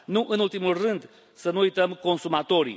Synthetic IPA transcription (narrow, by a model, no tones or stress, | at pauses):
nũʔẽnulˠt̪imurɨ̃nd̪ | sɐnũit̪ɐmukõnsumat̪oɾjṵ